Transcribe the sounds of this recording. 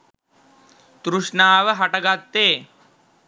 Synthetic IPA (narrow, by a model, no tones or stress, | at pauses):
t̪ɾuʂnaːʋəɦɐʈɐɡat̪ːeː